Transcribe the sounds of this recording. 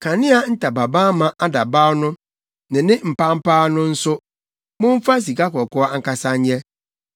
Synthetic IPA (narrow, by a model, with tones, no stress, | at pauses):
kʰa˨nɪ̃˦a˨n̩˦tʰa˨ba˨bãː˦mã˨ʔa˦da˨ba˦wnʊ̃˦ | nɪ̃˨nɪ̃˦m̩˨pa˦m̩˦pʰaː˦nʊ̃˦n̩˦sʊ˦ | mʊ̃˦m̩˦fa˦s̬i˨ka˦kɔ˨kɔ˦a˦ŋ̩˦ka˨sa˦ɲ˦ɲɛ˦